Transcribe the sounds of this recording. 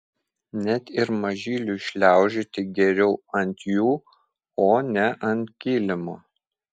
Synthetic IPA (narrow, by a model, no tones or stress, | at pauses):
nʲɛt̪ɪɾmɐʒʲiːlʲuːɪʃʲlʲæˑʊʒʲɪt̪ʲɪɡʲɛɾʲɛʊɐnʲt̪ʲjuː | oːnʲɛʔɐnʲt̪̚ʲkʲiːlʲɪmo